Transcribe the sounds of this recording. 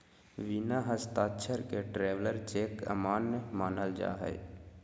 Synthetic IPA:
ʋinaɦəst̪aːtːʃʰəɾkeʈɾeːʋləɾt͡ʃeːkə̰maːnːmaːnəld͡ʒa̰ːɦɛ̰j

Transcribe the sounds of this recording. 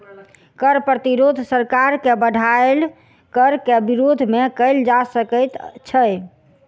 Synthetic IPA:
kəɾpɾət̪iɾod̪ʱsəɾkaɾkebəɽʱael | kəɾkebiɾod̪ʱmekəɪld͡ʒasəkət̪t͡ʃʰə

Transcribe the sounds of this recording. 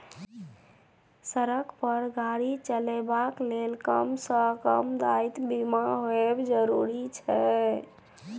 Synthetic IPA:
səɾəkpəɾɡʱaɽit͡ʃəlɛbaklelkəmsə̃kəmd̪ait̪bimaɦoebd͡ʒəɾuɾit͡ʃʰɛ

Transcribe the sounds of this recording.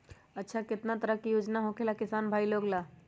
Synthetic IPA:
ətːʃʰakɪt̪nat̪əɾəkːijoːd͡ʒnaɦokelakɪsaːnbʱaːiloːɡlaː

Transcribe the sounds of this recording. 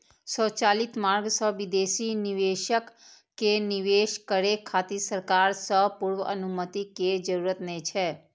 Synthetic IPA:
sɔːt͡ʃaːlɪt̪maːɾɡsɔʋɪd̪eːsinɪʋeːʃəkː | enɪʋeːʃkəɾekʰaːt̪isəɾkaːɾsɔɦpʊɾwəə̰nʊmət̪iked͡ʒəɾuːɾət̪nɛt͡ʃʰɛː

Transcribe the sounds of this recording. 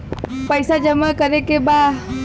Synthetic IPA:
pəɪsad͡ʒəmakəɾekeba

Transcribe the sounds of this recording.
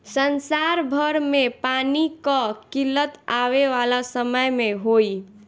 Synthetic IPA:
sənsaɾbʱəɾmepanikəkilət̪aβeʋalasəməjmeɦoj

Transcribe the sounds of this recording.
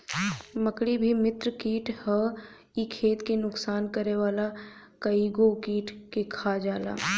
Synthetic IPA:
məkɽibʱimɪt̪ɾəkiːʈhə | ikʰeːt̪kenʊksaːnkəɾeʋaːla | kəiɡokiːʈkekʰad͡ʒaːla̰ː

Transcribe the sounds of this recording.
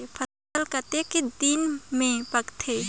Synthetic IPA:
epʰə | əlkət̪ekid̪iːnmẽpɐkt̪ʰeː

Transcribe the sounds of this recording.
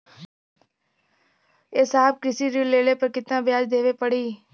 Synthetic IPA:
eːsaːb̚kɾɪsiːɾiːleːleːpəɾkɪt̪ːãːbjaːd͡ʒd̪eːʋeːpəɽiː

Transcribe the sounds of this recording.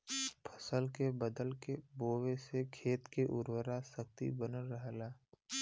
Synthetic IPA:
pʰə̥səlkebəd̪əlkeboːwesekʰeːt̪keʔʊɾwəɾasək̚t̪ḭbənəlːəɦlaː

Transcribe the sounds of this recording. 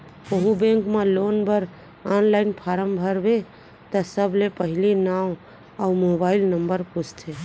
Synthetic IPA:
oɦũbẽŋkmelonbəɾ | anlaɪnpʰaɾəmbʱəɾbe | t̪əsəblepəɦilinaw | aumobailnəmbəɾput͡ʃʰt̪ʰe

